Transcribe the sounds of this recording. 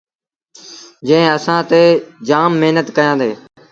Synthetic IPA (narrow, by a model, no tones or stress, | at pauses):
d͡ʒə̃ɪ̃əsãːt̪eːd͡ʒaːmːeɦnət̪kəjãːd̪eː